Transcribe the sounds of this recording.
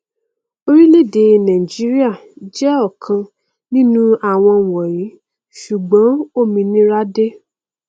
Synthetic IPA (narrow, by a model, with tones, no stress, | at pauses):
o˧ɾi˦le˦˨de˧nã˨i˨d͡ʒi˨˦ɾi˦a˦˨d͡ʒɛ˦ɔ˦˨kʰã˧ | nĩ˦nũ˦a˦˨w̃ɔ̃˧˨wɔ˨ɾi˨˦ | ʃu˨ɡ͡bɔ̃˨˦o˦˨mĩ˧nĩ˦ɾa˦de˦